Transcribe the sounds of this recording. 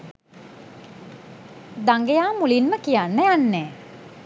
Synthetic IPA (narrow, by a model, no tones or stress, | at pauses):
d̪aŋɡejaːmulinməkijanːəjanːɛː